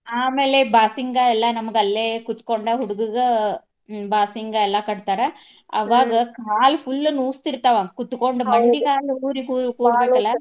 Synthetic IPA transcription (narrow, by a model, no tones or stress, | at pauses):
aːmeːleːbaːsɪŋɡaːɛlːãːnɐmːɐkːɐlːeːkʊt̪ːɯ̥kːoːɳɖaːhʊɽɯkɯɣɐ | baːsɪŋɡaːɛlːãːkɐɽɯt̪ːaːɾa | ɐʋaːɡɐkaːlfʊlːɐnuːst̪ɪɾɯt̪ːaːʋãːɡɐkʊt̪ːɯkːoːɳɖɯbɐɳɖikaːluːɾikuːɾʊkːʋaaːkːɐlaː